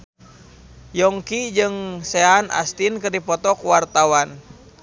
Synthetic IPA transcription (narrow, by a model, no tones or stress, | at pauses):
jɔŋkid͡ʒɨŋseana̰st̪inkɨrdipɔt̪ɔkwart̪awan